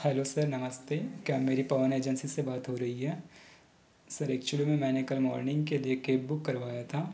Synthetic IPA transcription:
xɛːlosɐɾnɐməst̪eːkjaːmeːɾipɐʋəneːd͡ʒənsisebaːt̪ɦoɾɐɦiɦɛː | sɐɾɛːk̚t͡ʃʊəlimẽmɛ̃ːnekɐlmɔːɾnɪ̃ŋɡkelijekeːbʊkːɐɾʋaːjat̪ʰaː

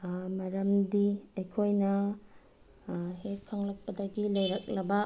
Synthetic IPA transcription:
mɐɾɐmdiɐjkʰojnɐ | hekʰːɐŋlɐk̚pɐdɐɡilɐjɾɐk̚lɐbɐ

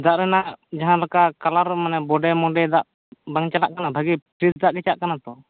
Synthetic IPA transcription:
d̪aʔɾɛnaʔd͡ʒaɦãlɔkakalaɾɔmanɛbɔɖɛmɔɖɛd̪aʔ | baŋt͡ʃala̰ʔkanabʱaɡipɾisd̪aʔkɛt͡ʃaʔkanat̪ɔ

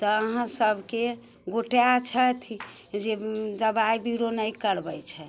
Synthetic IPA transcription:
t̪ɔəɦãsəbʱke | ɡoʈejat͡ʃʰət̪ʰ | d͡ʒed̪əbaibiɾonəjkəɾbɛjt͡ʃʰɛ

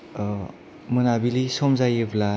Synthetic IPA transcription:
mɯnabilisɔmzajebla

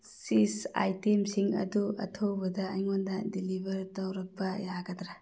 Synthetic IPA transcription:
sisa̰jtemsiŋɐ̰duɐ̰tʰowbɐdɐːjŋondɐdilibʱɐɾtɐwɾɐk̚bɐjaɡɐdɾa

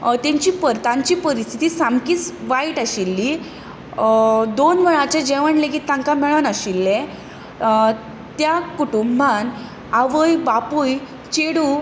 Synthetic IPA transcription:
t̪ẽɲt͡ɕiːpəɾt̪ãɲt͡ɕiːpəɾist̪ʰit̪iːsamkiːt͡sʋaiʈaɕilːi | d̪onʋəɭãt͡ɕad͡ʑeʋəɳlekiːt̪ːãŋkamɛɭənaɕilːẽ | t̪jakuʈumbʱan | aʋəjbapuj | t͡ɕeɽu

